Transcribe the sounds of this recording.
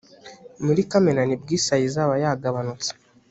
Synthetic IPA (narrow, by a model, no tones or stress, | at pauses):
muɾikameɾanib̚ɡisajizaβajaɡaβanut͡si̥